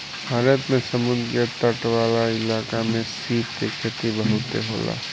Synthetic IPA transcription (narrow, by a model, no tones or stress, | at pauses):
bʱaːɾət̪mẽsəmʊnd̪ɾət̪əʈʋaːlaɪlaːkamẽsiːpt̪ekʰet̪ibəɦʊt̪ḛɦo̰ːla̰ː